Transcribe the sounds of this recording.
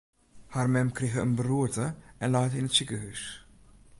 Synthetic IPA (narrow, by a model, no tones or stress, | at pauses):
harmɛmkreɣəənbəruətəʔɛnlɑːtəɪnətsikəɦys